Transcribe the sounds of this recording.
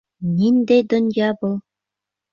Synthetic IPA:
nʲind̪ejd̪ŏnjɑbɤ̆lˠ

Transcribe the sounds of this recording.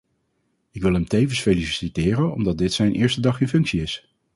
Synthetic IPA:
ɪkʋɪlˠɦɛmtejvənsfelissitɪːrənɔ̰mdɑt̚dɪtsɛjnʔɪːɹstədɑχɪnfɵŋksiɪs

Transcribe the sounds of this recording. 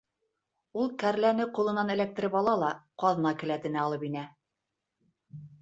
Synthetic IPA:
ulˠkæɾlænɘqulˠɤ̆nɑnɘ̆læk̚t̪ɘ̆ɾɘpɑlˠɑlˠɑqɑðɤ̆nɑkɘ̆læt̪ɘ̆næɑlˠɤpinæ

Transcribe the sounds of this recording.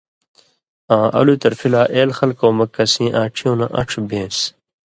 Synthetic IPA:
ãːʔɐ̰lut̪ɐɾfilaːʔeːlxɐlkoːmɐkːɐsĩːʔãːʈ͡ʂʰijõːnɐʔɐ̰ʈ͡ʂʰbẽːs

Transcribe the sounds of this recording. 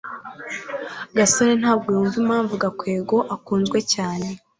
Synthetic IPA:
ɡasoɾen̥haːb̚ɡijuɱvimaːɱvuɡakwe̞ːɡo̞ʔakuːnzɡwe̞caːne̞

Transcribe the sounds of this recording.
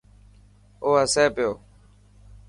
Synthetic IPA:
oːəseːpɪjoː

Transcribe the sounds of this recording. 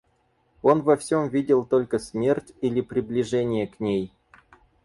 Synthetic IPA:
onvɐfsʲomvʲidʲɪlˠt̪olʲkəsʲmʲe̞rʲtʲilʲɪpɾʲɪblʲɪʐɛnʲɪjəknʲej

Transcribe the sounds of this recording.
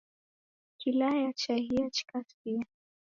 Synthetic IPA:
kilajat͡ʃahiat͡ʃi̥kaspia

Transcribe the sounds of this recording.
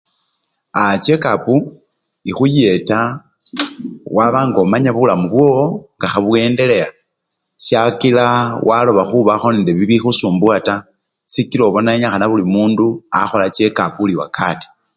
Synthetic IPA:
at͡ʃe̞kapu | ixuje̞ta | waβaːŋɡo̞maɲaβulamuβwooŋɡaxaβwe̞ːnde̞le̞ja | ʃjakilawʔalo̞βaxuβaxo̞niːndeβiβixusuːmbwata | sikiloβo̞naeɲaxanaβulimuːndua̰xo̞lat͡ʃe̞kapuliwa̰kati̥

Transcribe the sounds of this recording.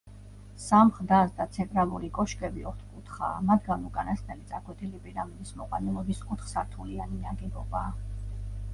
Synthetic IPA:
samχd̪asd̪at̪sʰɛnt̪ʼɾalˠuɾikʼɔʃkʼɛbiɔɾt̪ʰkʼut̪ʰχa̰ːmad̪ɡanukʼanasnɛlit̪sʼakʰwɛt̪ʰilipʼiɾamid̪ismɔqʼwanɛlˠɔbiskʼut̪ʰχsaɾt̪ʰulianinaɡɛbɔ̰baː

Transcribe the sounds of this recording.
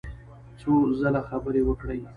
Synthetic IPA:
t͡sozalaxabəɾewəkɽəj

